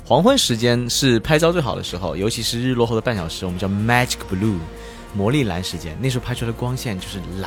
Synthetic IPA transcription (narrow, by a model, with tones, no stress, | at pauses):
xwɑ˧˥ŋxwə˧˥nʂɻ̩˧˥t͡ɕjɛ˥nʂɻ̩˥˩pʰa˥ɪt͡sɑ˥t͡swe˥˩ɪxɑ˨˩ʊd̪ə̰˦ʂɻ̩˧˥xo˥˧ʊjo˧˥t͡ɕʰi˧˥ʂɻ̩˥˧ɻ̩˥˧lwɔ˥˧xo˥˧ʊd̪ə˦p̬a˥˩nɕjɑ˨˩ʊʂɻ̩˧˥wmə˦t͡ɕɑ˥˩ʊma˥˧ʈ͡ʂi˨kpu˧lu˥˩ | mwɔ˧˥li˥˩la̰˧˥nʂɻ̩˧˥t͡ɕjɛ̰˥n˥˩ʂɻ̩˧˥pʰlə˥kwɑ˥ŋɕjɛ˥˧nt͡ɕjo˥˧ʊʂɻ̩˥˩la˧